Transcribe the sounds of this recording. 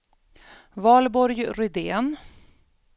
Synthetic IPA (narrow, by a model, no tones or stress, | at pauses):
vɑːlbɔɾjɾʏd̪eːn